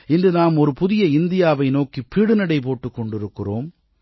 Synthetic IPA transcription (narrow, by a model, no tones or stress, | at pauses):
ɪndrɯnaːmɔɾɯpʊðɪjɐɪnd̪ɪjaːʋɐɪnoːkipːiːɽɯnɐɽɐɪp̬oːʈːɯkːɔɳɖɪɾɯkːɪroːm